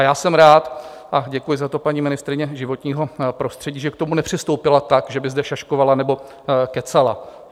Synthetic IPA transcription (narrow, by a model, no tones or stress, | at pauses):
ajaːsɛmɾaːt̪ | ʔaɟɛkujɪzat̪o̞paɲimɪnɪst̪ɾɪɲɛʒɪvo̞t̪ɲiːɦo̞pɾo̞st̪r̝̥ɛɟiːʒɛkt̪o̞munɛpr̝̥ɪst̪owpɪlat̪akʒɛbɪzdɛʃaʃkovalanɛbo̞ | kɛt͡sala̰